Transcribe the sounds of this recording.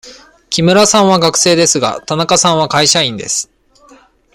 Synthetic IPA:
kʲimɯ̟ɾasãɰ̃βaɡakɯ̟̥se̞ːd̪e̞sɨɡa̰t̪anakasãɰ̃βakaiɕaĩnd̪e̞sɨ̥

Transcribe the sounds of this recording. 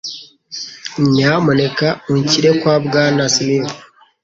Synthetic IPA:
ɲamonekaoɲciɾekwabɡaːnasimim

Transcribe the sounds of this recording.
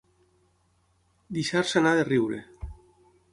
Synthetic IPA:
d̪iʃaɾsanaðeriwɾḛ

